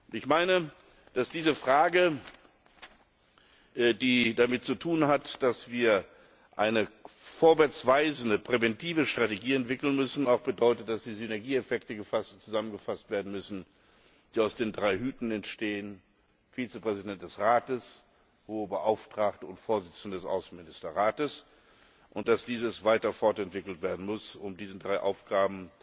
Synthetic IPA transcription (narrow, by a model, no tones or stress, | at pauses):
ʊɪçmaɪnə | d̥asd̥iːzəfʁ̥aːɡə | diːdamɪt̚t͡sutʰuːnɦatd̥asv̥iːɐ | ʔaɪnəfoːɐvɛɐt͡sv̥aɪzən̩dəpʁ̥ɛvɛntʰiːvəʃtʁ̥ateɡiːɛntv̥ɪkl̩nmʏsn̩aʊxb̥ədɔʏtət̚d̥asd̥iːzynɛɐɡiːɛfɛktəɡəfastt͡suzamənɡəfastv̥eːɐdn̩mʏsn̩ | d̥iːaʊsd̥eːndʁaɪɦyːtn̩ɛntʃteːən | fiːt͡səpʁ̥ɛzidɛnt̚d̥ɛsʁaːtəs | hoːəbəʔaʊftʁ̥aːktəʊntfoːɐzɪt͡sn̩dədɛsʔa̰ʊsn̩mɪnɪstɐʁaːtəs | ʔʊnt̚d̥asd̥iːzəsv̥aɪtɐfɔɐtɛntv̥ɪkl̩tv̥eːɐdn̩mʊsʊmdiːzn̩dʁaɪʔa̰ʊfɡ̥aːbm̩